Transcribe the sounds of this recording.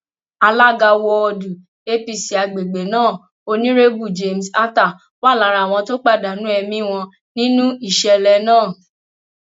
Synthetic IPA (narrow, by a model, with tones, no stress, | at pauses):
a˧la˦˨ɡa˧wɔ˧ɔ˧du˨ | e˦pi˧si˨a˨˧ɡ͡be˨ɡ͡be˨nãː˦˨ | o˧nĩ˦ɾe˦bu˦˨d͡ʒe˧m̩˨sa˦ta˦˨ | wa˦˨la˨˧ɾa˨w̃ɔ̃˧to˦k͡pa˦˨da˨nũ˨˦ɛ˧mĩ˦w̃ɔ̃˧ | nĩ˦nũ˦i˦˨ʃɛ˧lɛ˧nãː˦˨